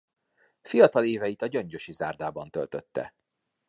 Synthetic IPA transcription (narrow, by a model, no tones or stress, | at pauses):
fijɒt̪ɒleːvɛjit̪ɒɟøɲɟø̞ʃiza̰ːrd̪aːbɒnt̪ølt̪ø̞t̪ːɛ̰